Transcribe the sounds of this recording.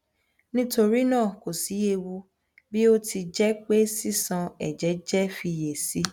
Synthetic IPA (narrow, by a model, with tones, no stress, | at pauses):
nĩ˦to˧ɾi˦nãː˦˨ko˨si˨˦je˦˨wu˧ | bi˦o˦ti˧d͡ʒɛ˦k͡pe˦si˦sã˧ɛ˨d͡ʒɛ˨˦d͡ʒɛ˦fi˧je˨si˨˦